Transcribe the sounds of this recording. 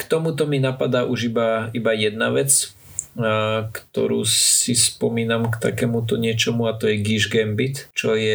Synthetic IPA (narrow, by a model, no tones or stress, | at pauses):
kt̪ɔmut̪ɔminapad̪aːʔuʒibaibajɛd̪̚naʋɛt͡s | kt̪ɔ̰ɾṵːsispɔmiːnamkt̪a̰kɛmut̪̬ɔɲɪɛt͡ʃɔmuat̪ɔjɛɡiʒɡɛmbit̪t͡ʃɔjɛ